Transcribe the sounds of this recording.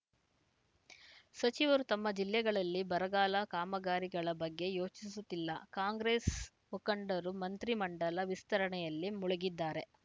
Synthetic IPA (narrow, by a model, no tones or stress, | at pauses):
sɐt͡ʃiʋɐɾut̪ɐmːɐd͡ʒilːɛɡɐɭɐlːibɐɾɐɡaːlɐkaːmɐɡaːɾiɡɐɭɐbɐɡːe̞jo̞ːt͡ʃisut̪ːilːɐ̰kaːŋɡɾeːs | mukɐɳɖɐɾumɐnt̪ɾimɐɳɖɐlɐʋist̪ɐɾɐɳɛjɐlːimuɭuɡid̪ːaːɾe̞